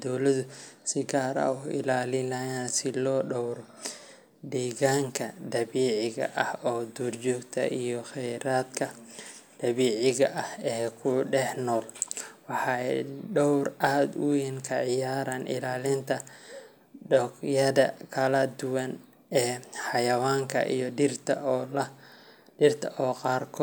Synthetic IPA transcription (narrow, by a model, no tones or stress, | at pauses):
d̪ɔwlɐðʊsɪɡaːɾɐ̰ʊʔɪ̰laːlɪnɐjaːnsɪlɔːɖɔwr | ɖiːɣaːŋkʰɐd̪ɐβiːʕɪɣɐ̰ʔɐhɔːd̪uːrt͡ʃɔːɡt̪ʰɐ̰ʔijɔxɛjɾaːd̪kʰɐd̪̥ɐβiːʕɪɣɐʔɐhɛːkʰʊɖɛħnɔːlwɑħɑːɛɖɔwraːd̪ʊwɪnkʰɐʕɪjaːɾɐnʔɪ̰laːlɪnt̪ʰɐ | ɖɔkjɐðɐkʰɐlɐd̪ʊwɐn | ɛːħɑjɐwaːŋkʰɐ̰ʔḭjɔɪrt̪ʰɐlɐ | ɪrt̪ʰɐʔɔːqɑːrkʰɔː